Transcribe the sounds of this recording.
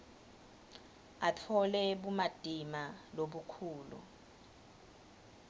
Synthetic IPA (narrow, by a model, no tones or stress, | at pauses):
atʰɔlɛɓumad̥ʱimaloɓukʰuːlṵ